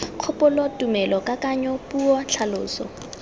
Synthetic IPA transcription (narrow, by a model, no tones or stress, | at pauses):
q͡χʰʊpʊlɔtʼumɛlɔkʼakʼaɲɔpʼuɔt͡ɬʰalʊ̰ːsɔ̰